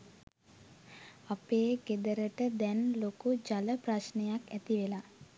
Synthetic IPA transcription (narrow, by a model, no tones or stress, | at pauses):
apeːɡed̪əɾəʈəd̪ɛnlokud͡ʒaləpɾasnəjakæt̪iʋela